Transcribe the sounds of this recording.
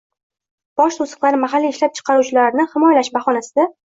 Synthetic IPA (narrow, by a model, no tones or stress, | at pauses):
b̥ɒʃt̪ʰosɨ̥qlˠaɾɪmaɦalːiɪʃlap̚t͡ʃʰɨ̥qʰɑɾuwt͡ʃʰɪlaɾnɪhɪmɒjalaʃbaχɒnasɪd̪a